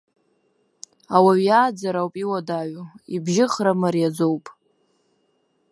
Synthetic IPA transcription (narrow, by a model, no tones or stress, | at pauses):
awaɥjaːd͡zaɾawpʼiwadaɥuibʒɪχramarjad͡zowpʼ